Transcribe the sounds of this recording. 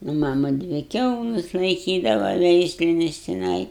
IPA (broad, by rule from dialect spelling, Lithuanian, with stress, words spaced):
nʊ ˈmɑːmɐ ˈdʲʋʲɪ ˈkʲɛʊlˠɐs lˠɐɪˈkʲiːdɐʋɐ ˈʋʲɛɪsʲlʲɪnʲɪs tʲɪˈnɐɪ